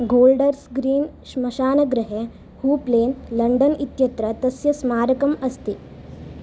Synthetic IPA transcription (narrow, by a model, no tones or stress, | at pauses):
ɡoːlɖəɾsɡɾiːnʃmɐɕaːnɐɡɾɐɦe | huːpleːnlɐɳɖɐnit̪jɐt̪ɾɐt̪ɐsjɐsmaːɾɐkɐmɐst̪i